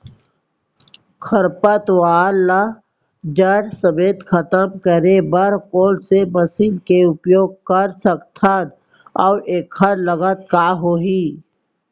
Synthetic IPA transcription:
kʰəɾpət̪waːlːa | d͡ʒəɽsəbeːt̪kʰət̪əmkəɾebəɾkoːlsebəsiːlkeʊpjoːɡ̚kəɾsək̚t̪ʰat̪̚ | ɔeːkʰːəɾləɡət̪̚kaːɦoːɦi

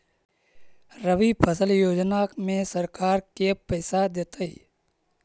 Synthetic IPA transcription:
ɾəʋipʰəsəljoːd͡ʒnamẽsəɾkaːɾkepɛɪsad̪eːt̪əḭ

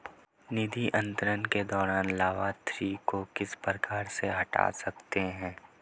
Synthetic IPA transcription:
nɪd̪ʱiʔɐ̃nt̪əɾənked̪ɔːɾaːnlaːʋaːt̪ɾikokɪspɾəkaːɾseɦɐʈa̰sɐkt̪eɦɛ̃ː

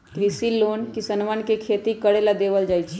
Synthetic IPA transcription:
kɾisilonkisənʋənkekʰet̪ikəɽelad̪eʋəld͡ʒaːjt͡ʃʰ

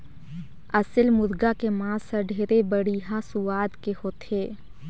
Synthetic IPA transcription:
ɐsəlmʊd̪ɡakemãːsəɖʱeːɾebəɽiːɦãsʊwaːd̪kehoːt̪eː

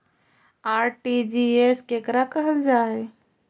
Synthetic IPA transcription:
aːɾʈid͡ʒiːeskekɾakɐɦəld͡ʒaːe

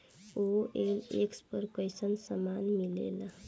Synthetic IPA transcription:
oelekspəɾkəjsənsəmanmilḛla

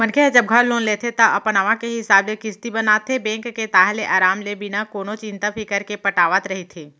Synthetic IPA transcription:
mənkʰed͡ʒəb̚ɡʱəloːnleːt̪ʰet̪ɐʔɐpnaʋãkeɦɪsaːblekɪst̪ibɐnaːt̪ʰebɛ̃ːŋkːet̪aːɦleʔaːɾaːmlebɪnakoːnot͡ʃɪ̃nt̪apʰɪkəɾkepɐʈaːʋət̪ɾɐɦit̪ʰeː

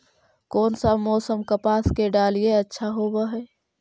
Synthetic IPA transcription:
kɔːnsamɔːsəmkəpaːskeɖaːlijeətːʃʰaɦoːbaɦɛː

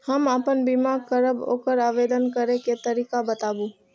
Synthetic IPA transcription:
hɐməpənbimaːɾkəɾəbo̰ːkəɾaːʋeːd̪ənkəɾeket̪ɐɾiːkabɐt̪aːbuː

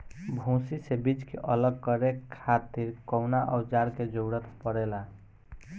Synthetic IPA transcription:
bʱũsisebid͡ʒkḛʔʌləɡ̚kʌɾekʰːat̪iɾkɔwnaʔɔwd͡ʒaɾked͡ʒoɡɽət̪pəɽɛla

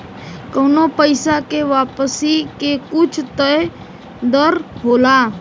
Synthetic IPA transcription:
kəʊnopəɪsakeʋaːpəsikekʊt͡ʃʰt̪əe | d̪əɾɦoːla

